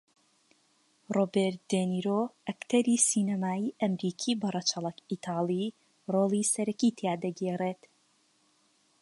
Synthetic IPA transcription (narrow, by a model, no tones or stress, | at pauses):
roːbeɾt̪̚d̪̥eniːɾoʔɐkt̪ʰɐɾiːsiːnɐmaːiːʔɐmɾiːkʰiːbɐrˤɐt͡ʃʰɐlˠɐkit̪ʰɑːlˠi | roːlˠisɐɾɐkiːt̪ʰjaːd̪ɐɡeːreːt̪